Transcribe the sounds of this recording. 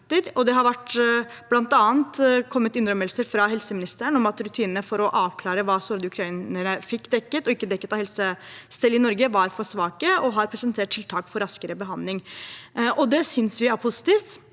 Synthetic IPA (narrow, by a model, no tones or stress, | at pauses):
t̪əɾɔd̪ɛɦɑɾʋæʈː | b̥lɑnt̪ɑːənt̪kʰɔmːət̪ɪnɾœməlsəɾfɾɑɦɛlsəmɪnɪst̪əəɳ̩ɔmɑt̪ɾʉt̪ʰiːnənəfɔɾɔʔɑːʋkʰlɑːɾəʋɑːsɔɾd̪ʉkʰɾɑiːnəɾəfɪkːd̪ɛkːət̪ɔɪkːəd̪ɛkːət̪ɑhɛlsəst̪ɛlːɪnɔɾɡəʋɑɾfɔʂʋɑːkəɔɦɑɾpʰɾɛsɛnt̪ʰeːʈ̚ʰɪlt̪ʰɑːkfɔɾɑskəɾəbəɦɑnd̪lɪŋ | ʔɔd̪ɛsʏnsʋɪæɾpʰʊsɪ̥t̪iːft̪